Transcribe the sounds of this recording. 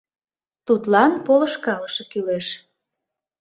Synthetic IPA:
t̪ut̪lɑnpolə̆ʃkɑləʃɤ̆kyleʃ

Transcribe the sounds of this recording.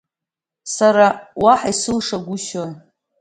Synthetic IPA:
saɾawaħaisɨlʂaɡʷʊʃoj

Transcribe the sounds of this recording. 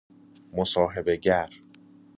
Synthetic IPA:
mosɒːɦebe̞ɟæɾ

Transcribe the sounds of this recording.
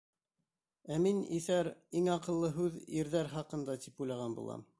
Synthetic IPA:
æminḭθæɾiŋɑqɤ̆lˠːɤɦʉðiɾðæɾχɑqɤ̆nd̪ɑt̪ipujlˠɑʁɑnbṵlˠɑ̰m

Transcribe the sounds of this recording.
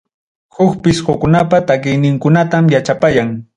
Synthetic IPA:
hʊkpɪshʊkʊnapat̪ak̬ɪjnɪŋkʊnat̪amjat͡ʃapajaŋ

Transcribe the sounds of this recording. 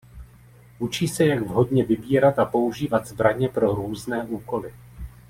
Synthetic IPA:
ʔut͡ʃiːsɛjaɡvɦo̞dɲɛvɪbiːɾat̪apo̞uʒiːvat̪zbɾaɲɛpɾo̞ɾuːznɛːʔuːko̞lɪ

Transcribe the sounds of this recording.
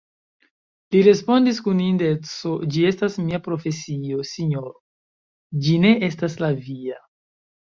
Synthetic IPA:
liɾe̞spo̞ndiskunindet͡sod͡ʒie̞stasmiapɾo̞fe̞sio̞siɲo̞ɾo | d͡ʒine̞ʔe̞staslavia

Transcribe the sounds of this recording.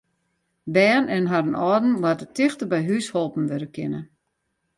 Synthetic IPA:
bɛːnɛnɦaɾənʔɔːdn̩watətɪxtəbɛjɦysholˠpn̩ʋødəkʰɪ̰nə

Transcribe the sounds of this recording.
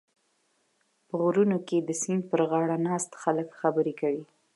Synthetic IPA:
pəɣuɾunoked̪əsinpəɾɣɑɽanɑst̪xaləkxabəɾekawi

